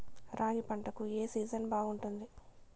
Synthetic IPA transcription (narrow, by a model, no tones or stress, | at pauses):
ɾʔaːɡipɐɳʈɐkueːsiːd͡ʒɐnbaːɡuɳʈund̪i